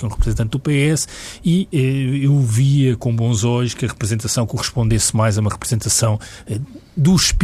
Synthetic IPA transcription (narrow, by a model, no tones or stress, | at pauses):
kɛũʁpɾɨzẽnt̪ɐ̃nt̪d̪ðupeɛs | iɛewviɐkõbõzɔʎuʃkɐʁɨpɾɨzẽnt̪ɐsɐ̃w̃kuʁɨʃpõnd̪esmajzɐumɐʁɨpɾɨzẽnt̪ɐsɐ̃w̃ɛd̪uʃp